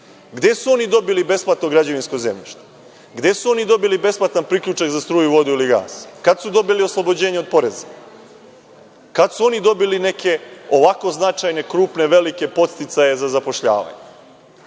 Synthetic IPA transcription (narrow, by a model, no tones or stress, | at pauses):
ɡd̪e̞suo̞nid̪o̞bilibe̞splˠat̪noɡɾad͡ʑoʋinskoze̞mʎiʃt̪o̥ | ɡd̪e̞suo̞nid̪o̞bilibe̞splˠat̪anpɾiklʎut͡ʃakzast̪ɾuːjuʋo̞d̪uiliɡa̰ːskad̪sud̪o̞bilio̞slˠobod͡ʑe̞ːɲeopo̞ɾe̞za | kad̪suo̞nid̪o̞biline̞kʰe̞o̞ʋako̞znat͡ʃajne̞kɾuːpne̞ʋe̞like̞po̞t̪st̪it̪saje̞zazapo̞ʃʎa̰ːʋa̰ɲe